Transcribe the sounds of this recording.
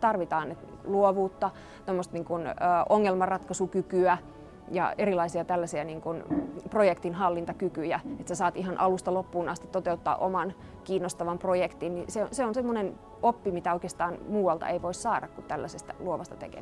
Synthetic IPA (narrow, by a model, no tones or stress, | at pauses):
t̪ɑrʋit̪ɑːnet̪ | luoʋuːt̪ːɑ | t̪omːost̪niːŋkunːʔoŋːelmɑrɑt̪kɑsukykyæ | jɑ̰erilɑisiɑt̪ælːæsiɑniːŋkunprojekt̪inhɑlːint̪ɑkykyjæet̪sesɑːt̪ihɑnʔɑlust̪ɑlopːuːnɑst̪it̪ot̪eut̪ːɑ̰ːʔomɑn | kiːnːost̪ɑʋɑmprojekt̪inniseoseonsemːonen | opːimit̪æoikeːst̪ɑːnmuːwɑlt̪ɑ̰eiʋoissɑːdɑkkunt̪ælːæsest̪æluoʋɑst̪ɑ̥t̪ḛkḛ